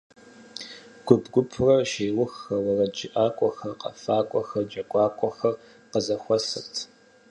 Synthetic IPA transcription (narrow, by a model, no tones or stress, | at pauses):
ɡ̥ʷʊbɡʷʊpʰʊrɐrʃeːwʊxːɐwɐrɐd͡ʒɪʔaːkʷʼɔxɐrqɐ̰faːkʷʼɔxɐrd͡ʒɐkʷʼɑːkʷʼɔxɐr | qəzɐxʷɔsɨrtʰ